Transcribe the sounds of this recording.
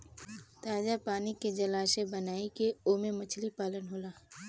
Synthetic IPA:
t̪aːd͡ʒapaːniked͡ʒɐlaːsebɐnaːikeoːmẽmɐt͡ʃʰlipaːlənɦoːlaː

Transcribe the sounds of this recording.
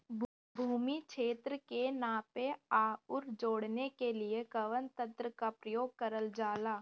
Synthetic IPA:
bʱuːmikʃʰeːt̪ɾəkenãːpeaːʊɾd͡ʒoːɽnekeliekəʋənt̪ə̃nt̪ɾəkapɾəjoːɡ̚kəɾəld͡ʒaːlaː

